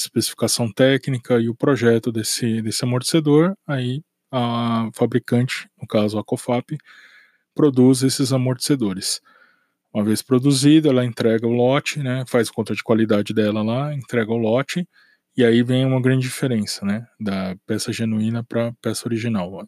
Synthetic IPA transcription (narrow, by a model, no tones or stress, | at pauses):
ɐispesi̥fi̥kasɐ̃w̃t̪ɛknikɐɪʊpɾoʒɛt̪ʊd̪esɪd̪esɪamoɾt͡ʃ̪ɪ̥sed̪oɾai | ɐfabɾikɐ̃nt͡ʃɪ̥nʊkazʊakofapɪ | pɾod̪uzesɪzamoɾt͡ʃɪ̥sed̪oɾɪs | ũmɐvespɾod̪uzid̪ɐɛlɐẽnt̪ɾɛɡɐʊlɔt͡ʃɪnɛfajskõnt̪ɐd͡ʒɪkwalid̪ad͡ʒɪd̪ɛlɐlaẽnt̪ɾɛɡɐʊlɔt͡ʃɪ | ɪaivẽj̃ũmɐɡɾɐ̃nd͡ʒɪd͡ʒifeɾẽsɐnɛd̪ɐpɛsɐʒenuĩnɐpɾɐpɛsɐoɾiʒinawa